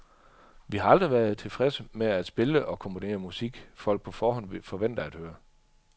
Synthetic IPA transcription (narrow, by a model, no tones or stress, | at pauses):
ʋihɑ̈ɑ̈ld̥ʁiʋæɐð̩ˠt͡sʰe̝lfʁɛsəmeæd̥sb̥e̝ləʔɒ̽kʰɒ̽mpʰo̝ne̝̰ːɐmusiɡ̥fɒ̽l̰ɡ̥̚pʰɒ̽fɒːhɒ̽n̰fɒ̽ʋen̰d̥ɐæd̥høːɐ